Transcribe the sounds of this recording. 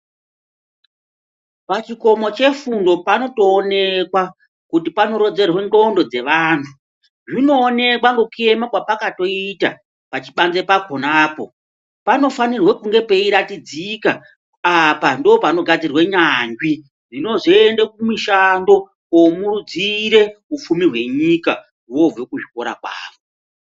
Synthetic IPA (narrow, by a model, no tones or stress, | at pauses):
pat͡ʃiko̞mo̞t͡ʃe̞fundo̞pano̞to̞ːne̞kwa | kut̬ipano̞ɾo̞d͡ze̞rwe̞ndo̞ndo̞d͡ze̞ʋaːntʰu | ʐino̞ːne̞kwaŋɡekue̞makwapakato̞ita̰ | pat͡ʃiɓand͡ze̞pakonaːpo̞ | pano̞fanirwekuŋɡe̞pe̞iɾatid͡zikaː | pandopano̞ɡʱad͡zirweɲaŋɡwi | d͡zino̞ʐiendekumiʃando̞ | omurud͡ziɾe̞ufumirɦwe̞ɲika | wo̞vekuʐiko̞ɾa̰kwa̰ːʋo